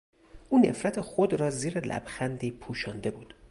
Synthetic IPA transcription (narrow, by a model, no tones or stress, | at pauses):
ʔuːnḛfɾæt̪ʰe̞xod̪ɾɒːziːɾelʔæ̰b̥xænd̪iːpʰuːʃɒːnd̪e̞buːd̪̥